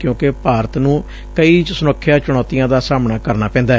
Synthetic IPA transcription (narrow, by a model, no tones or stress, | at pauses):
kjõːkepaːɾət̪nũː | kəiːsʊnokʰːɪjãːt͡ʃʊɽ̃ɔːt̪ijãːd̪aːsaːmnaːkəɾnaːpɛ̃ːnd̪aː